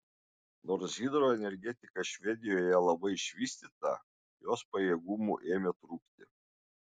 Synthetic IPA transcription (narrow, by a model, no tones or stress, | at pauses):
noːɾsʲiːd̪ɾoːɛnʲɛɾʲɡʲɛt̪ʲɪkɐʃʲʋʲɛd̪ʲɪjoːjɛlˠɐbɐɪɪʃʲʋʲiːsʲt̪ʲit̪ɐ̰ | joːspɐjeːɡumṵʔeːmʲet̪ɾuːkt̪ʲɪ